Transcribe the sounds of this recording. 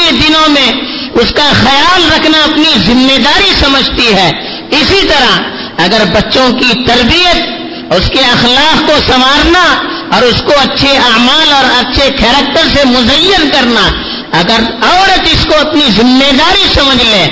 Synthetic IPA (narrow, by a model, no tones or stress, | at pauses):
ed̪ɪnõmẽ | ʊskaxɐjaːlɾɐkʰnaɐpnizɪmːeːd̪aːɾisɐməd͡ʒʱt̪iɦɛː | ɪsit̪ɐɾa | ɐɡəɾbɐtːʃõkit̪ɐɾbijət̪̚ | ʊskeɐxlaːqkosɐmaːɾna | ɔːɾʊskoɐtːʃʰeaːmaːlɔːɾɐtːʃʰekʰɛːɾək̚t̪əɾsemʊzəjːənkɐɾna | ɐɡəɾɔːɾət̪ɪskoɐpnizɪmːed̪aːɾisɐməd͡ʒʱlẽː